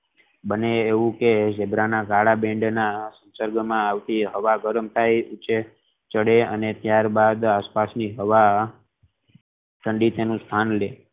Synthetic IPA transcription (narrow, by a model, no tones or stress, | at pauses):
bəneːʋũked͡ʒebɾanaɡaɭabɛ̃ɳɖnasə̃nsəɾɡmãaʋt̪iɦəʋaɡəɾəmt̪ʰajut͡ʃe | t͡ʃəɽeənet̪jaɾbad̪aspasniɦəʋa | t̪ʰəɳɖit̪enũst̪ʰanle